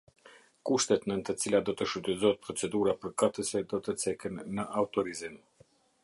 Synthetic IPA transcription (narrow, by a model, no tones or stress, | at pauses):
kuʃt̪ɛt̪nənət̪ət͡silad̪ɔt̪əʃut̪əzɔɛt̪̚pɾɔt͡sɛd̪uɾapəɾkat̪əsɛd̪ɔt̪ət͡sɛkənːəʔaut̪ɔɾizim